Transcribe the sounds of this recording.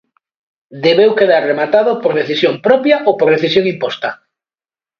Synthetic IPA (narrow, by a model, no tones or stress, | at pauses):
d̪eβewkeðaɾremat̪aðopoɾð̞eθisjoŋpɾɔpjaʔopoɾð̞eθisjoŋimpɔst̪ɐ